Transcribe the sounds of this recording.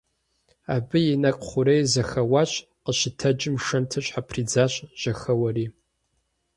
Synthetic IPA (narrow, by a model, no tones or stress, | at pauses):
aːbɨjɪnɐkʼχʷʊɾejzɐxɐwaːɕʼ | qəʃɪtʰɐd͡ʒʼɪmʂɐntʰɐɕʷħapʰriːd͡zaːɕʼʒ̥ɐxɐwɐriː